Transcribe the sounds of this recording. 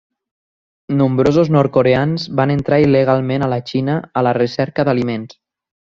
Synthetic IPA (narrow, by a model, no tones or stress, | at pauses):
numbɾozuznɔɾt̪koɾeanzbanənt̪ɾailəɣ̞alˠmenələt͡ʃinəələrəsɛɾkəðəlimens